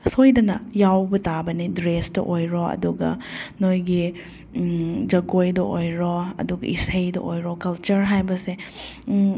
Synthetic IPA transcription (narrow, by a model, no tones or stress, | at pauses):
sojdɐnɐjawbɐtabɐnidɾesdɔ̰ʔojɾɔɐ̰duɡɐ̰nojɡi | d͡ʒɐɡojdɔʔojɾɔɐ̰duɡɐ̰ʔisejdɔ̰ʔojɾɔkɐlt͡ʃɐɾɦajbɐse